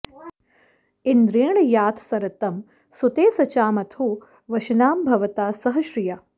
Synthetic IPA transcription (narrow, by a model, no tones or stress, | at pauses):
ind̪ɾeːɳɐjaːt̪ʰsɐɾɐt̪ɐm | sut̪eːsɐt͡ʃaːmɐt̪ʰuː | ʋɐʃɐnaːmbʱɐʋɐt̪aːsɐɦɐʃɾijɐ